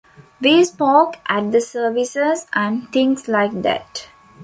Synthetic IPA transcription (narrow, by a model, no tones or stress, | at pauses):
ʋiːspɔːkʔæʈ̚d̪əsəːʋisəsæ̃nt̪ʰĩŋslaɪk̚d̪æ̰ʈ